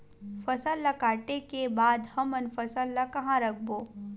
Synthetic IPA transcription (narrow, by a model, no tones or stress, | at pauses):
fɐsəlːɐkaːʈekebaːd̪hɐmɐnfəsəlːakɐɦãɾɐk̚ʰboː